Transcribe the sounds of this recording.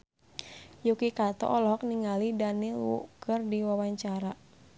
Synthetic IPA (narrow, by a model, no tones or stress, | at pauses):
jukikat̪ɔ̰ʔɔlɔɦɔk̚niŋalidanilwṵkɨrdiwawaɲt͡ʃaɾa